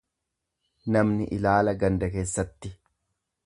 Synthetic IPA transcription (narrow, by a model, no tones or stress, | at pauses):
nɐmnɪʔɪlaːlɐɡɐnd̪ɐkeːsːɐt̪ːɪ